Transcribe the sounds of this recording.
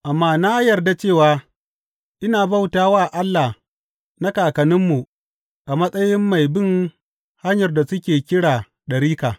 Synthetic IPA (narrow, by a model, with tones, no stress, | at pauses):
ʔa˨mːaː˦naː˦jɐ˨rda˨t͡ʃeː˦˨waː˨ | ʔɪ˦naː˨ba˦˨wtaː˦waː˦˨ʔa˦lːa˨h | na˦kaː˨kɐ˨nɪ˦mːu˨ʔ | ʔa˨mɐ˦sʼɐ˦jɪ˦mːa˨jbɪ˦˨ŋ | ha˦ɲjɐ˨rda˨sʊ˦kʲeː˨kʲɪ˦ɽaː˨ | ɗɐ˨ɾiː˦kaː˨